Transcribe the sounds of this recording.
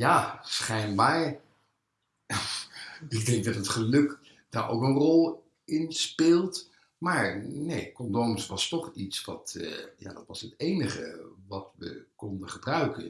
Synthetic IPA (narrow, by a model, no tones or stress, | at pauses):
jaːsχɛjnbaːɹ | ɪɡ̚dɛŋk̚dɑtɦətχəlɵk | d̥aːɹʔo̰wkənrɔlˠ | ɪnspɪːlˠt | maːɹnejkɔndomsʋɑstɔχitsʋɑtja̰ːdɑtʋɑsətejnəχə̰ʋɑtʋə̰kɔndəχəbrœɥkən